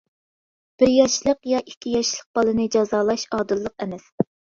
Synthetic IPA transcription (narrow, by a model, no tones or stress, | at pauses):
b̥ɪɾjɑʃlˠəqjɑʔikʲʰːijɑʃlˠəq̚b̥ɑlˠɨnɨd͡ʒɑzɑːlˠɑʃɑːd̪ɨlˠːəqɛmɛs